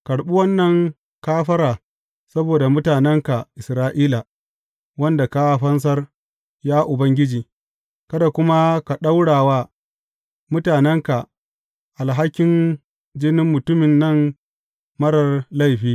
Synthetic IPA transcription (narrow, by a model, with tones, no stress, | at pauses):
kɐ˨ɽɓu˦wɐ˦nːɐ˦˨ŋ | kaː˦ɸɐ˦ɾaː˨ | sɐ˦boː˨da˨mʊ˦taː˨nɛ˦ŋka˨ʔɪ˨sɾaː˦ʔiː˦la˨ | wɐ˦nda˨ka˦˨ɸɐ˦ns̬ɐ˦r | jaː˦ʔʊ˨bɐ˦ŋɡʲɪ˦d͡ʒiː˨ | kɐ˦da˨kʷʊ˦ma˦ka˨ɗa˦wɽaː˨waː˦ | mʊ˦taː˨nɛ˦ŋka˨ | ʔa˨lɦa˦kʲːɪ˨n | d͡ʒɪ˦nɪ˦mːʊ˨tʊ˦mɪ˨nːɐ˦˨ŋ | mɐ˦ɽɐ˨rla˦˨jɸiː˦